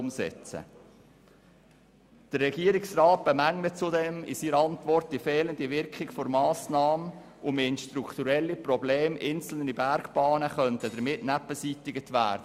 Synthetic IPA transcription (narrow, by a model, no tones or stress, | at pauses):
msɛ̰t͡sə̰ | d̥ərːɛɡiəɾɪksrɑːt̚b̥əmæŋlət͡sʊdɛmɪ̰siːɾəɑntʋɔrt̚d̥ifɛːləndiʋɪɾkχɪɡfɔɾmɑːsnɑːmə | ʔʊmeɪnʃtɾukʰt̪uɾɛlːiprɔbleːmʔɪnt͡sl̩nibæɾɡb̥ɑːnəχœntəd̥̪əɾmɪtnæpəsitɪɡətʋæ̰ːɾdə